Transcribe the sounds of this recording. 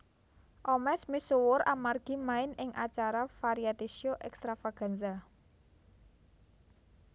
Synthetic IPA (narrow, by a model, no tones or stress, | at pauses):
ʔɔmɛsmisuwʊɾamarɡ̥i̤maɪnɪŋʔa̰t͡ʃaɾafaɾiat̪isioʔɛkst̪ɾafaɡ̥a̤nza